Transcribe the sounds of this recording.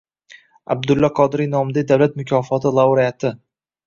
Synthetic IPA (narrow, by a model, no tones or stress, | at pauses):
a̰b̚d̪ʊlːaqʰɒd̪ɪɾijnɒmɪd̪ad̪awlat̪mʊkʲʰɒfɒt̪ʰɪlˠaɾijat̪ʰɪ